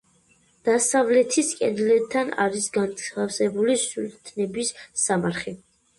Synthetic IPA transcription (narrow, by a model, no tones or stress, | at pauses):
d̪̥asavlɛt̪ʰiskʼɛ̰nlɛt̪ʰːana̰ɾisɡanafsɛbulisult̪ʰnɛbisːamaɾχi